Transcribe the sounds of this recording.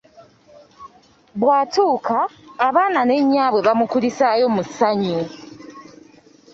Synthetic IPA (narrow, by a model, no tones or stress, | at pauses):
βwaːtuːkʰaːβaːnane̞ɲːaːβweβamukulisajo̞musaɲu